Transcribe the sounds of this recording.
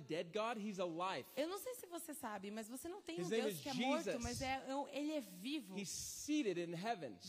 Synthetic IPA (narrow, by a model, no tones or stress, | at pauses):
dɛd̚ɡɑd̚izəlaɪvewnɐ̃w̃seɪsɪvosesabɪmazvosenɐ̃w̃t̪ẽj̃ũezkɛmd͡ʒiɔɾzʊmmazɛelɪɛvivʊhiz̥siɾɨɾɨ̃nɦɛvɨ̃n